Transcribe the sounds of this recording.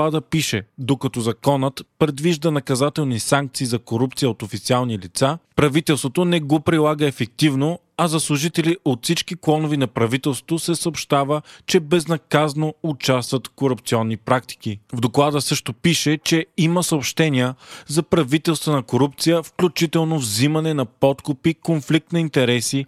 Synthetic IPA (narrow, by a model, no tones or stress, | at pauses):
ad̪əpiʃɛd̪okɐt̪ɔzɐkɔnət̪pɾɛd̪viʒd̪ənɐkɐzat̪ɛlˠnisaŋk̚t̪siːzɐkoɾup̚t̪sijəot̪ofit̪sialˠnilit̪sapɾɐvit̪ɛlˠst̪vot̪onɛɡopɾilˠaɡəɛfɛk̚t̪ivno | ɐzɐslˠʊʒit̪ɛliʔot̪fsit͡ʃkiklˠɔnovinɐpɾɐvit̪ɛlˠsot̪osɛsəopʃt̪avət͡ʃɛbɛznɐkaznoʊt͡ʃast̪vət̪koɾʊp̚t̪siɔnːipɾak̚t̪i̥k̟ivd̪oklˠad̪əsɤʃt̪opiʃɛt͡ʃɛiməsɐopʃt̪ɛniəzɐpɾɐvit̪ɛlˠst̪vənɐkoɾup̚t̪sijəfklʲut͡ʃit̪ɛlˠnovzimɐnɛnɐpɔt̪kʊpikonflik̚t̪nɐint̪ɛɾɛsi